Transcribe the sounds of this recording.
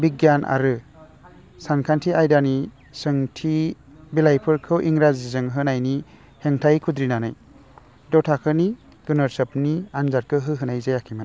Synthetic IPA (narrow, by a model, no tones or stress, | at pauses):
biɡjanʔa̰ɾɯ | sankʰantʰiʔajdani | sɯŋtʰi | bilajpʰɯɾkʰɯwʔiŋɾazizɯŋɦɯnajni | heŋtʰajkʰud̪ɾinanaj | dɔwtʰakʰɯni | ɡ̥ɯnɔɾsɯpnianzaɾ̚kʰɯɦɯɦɯnajzajakʰima